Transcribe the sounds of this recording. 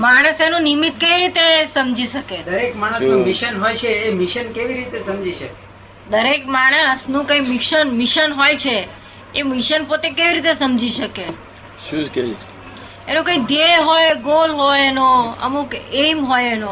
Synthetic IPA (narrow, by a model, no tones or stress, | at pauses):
maɽ̃əsenũnimit̪keʋiɾit̪esəmd͡ʒʱiʃəked̪əɾekmaɽ̃əsũmiʃənɦojt͡ʃʰeːmiʃənkeʋiɾit̪esəmd͡ʒʱiʃəke | d̪əɾekmaɽ̃əsnũkəimɪkʃənmiʃənɦojt͡ʃʰeː | miʃənpot̪ekeʋiɾit̪esəmd͡ʒʱiʃəke | ʃũkeʋi | enõkə̃id̪ʱeɦojɡolɦojenoə̰mukemɦojeno